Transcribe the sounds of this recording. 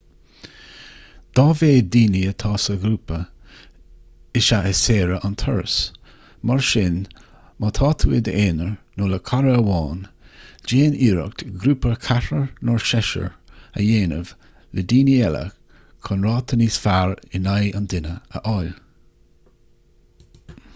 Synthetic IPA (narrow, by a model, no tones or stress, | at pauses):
d̪̥ɑːveːd̪iːniət̪ʰɑːsəɡɾuːpə | ɪʃaʔəseːɾəʔant̪ʰəɹs | maɹʃɪn | mɑt̪ʰɑːt̪ʰuːɪd̪əʔeːnəɹnoləkʰaɾəəwɑːnd͡ʒeːniːɾə̰k̚t̪ɡɾuːpəkʰaɾəɹnɔɹʃɛʃə̰ɹə̰jeːnəv̥ | ləd̪iːniɛlə̰ | kʰɔnɹɑːt̪ʰəniːsfaɹɪnajənd̪ɪnəə̰ʔɔjl